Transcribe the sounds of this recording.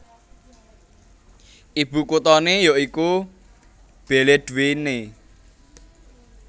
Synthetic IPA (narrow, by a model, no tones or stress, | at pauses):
ʔib̥ukut̪ɔnejoʔiku | b̥eled̪̥uwene